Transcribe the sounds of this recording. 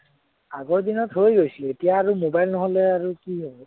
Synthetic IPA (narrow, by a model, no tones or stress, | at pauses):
aɡɔɹdinɔtɦojɡojsietijaːɹumobajlnɔɦɔlɛaɹukiɦoj